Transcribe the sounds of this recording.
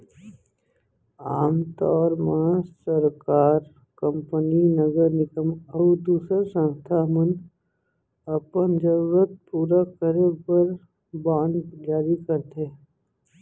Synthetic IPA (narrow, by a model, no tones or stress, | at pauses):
aːmt̪ɔːɾmãsəɾkaːɾ | kə̃mpəninəɡəɾnɪkəməd̪uːsəɾsə̃nst̪ʰamən | əpənd͡ʒəɾuɾət̪̚puːɾakəɾepəɾ | bãːnd̪d͡ʒaːɾikəɾt̪e